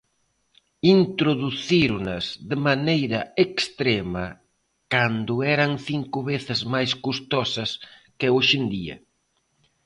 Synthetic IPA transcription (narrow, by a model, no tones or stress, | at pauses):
int̪ɾoðuθiɾnɐzðɪmanejɾɐekst̪ɾemɐ | kand̪ʊɛɾɐŋθiŋkʊβeθɪzmajskust̪ɔsɐskɪoʃɪnd̪iɐ̰